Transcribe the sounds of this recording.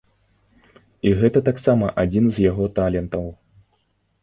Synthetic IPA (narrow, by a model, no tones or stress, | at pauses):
iɣɛt̪ɐt̪aksamɐʔad͡zʲinzjaɣɔt̪alʲɛnt̪ɐw